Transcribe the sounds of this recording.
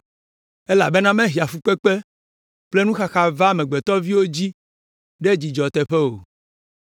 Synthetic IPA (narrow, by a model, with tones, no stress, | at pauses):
e˦la̰˨be˦nã˦mẽ˦ɦi˨a˨fu˦k͡pe˦k͡pe˦ | k͡ple˦nũ˦xa˦xa˨va˦˨mɛ̃˨ɡ͡bɛ˨t̪ɔ˦vi˦wo˦d͡ʑi˦ | ɖe˦d͡ʑi˨d͡ʒɔ˨t̪ɛ˨ɸe˦wo˨